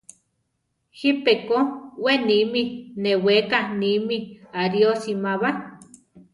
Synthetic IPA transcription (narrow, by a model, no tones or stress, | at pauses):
hipekoweniminewekanimiaɾiosimaβa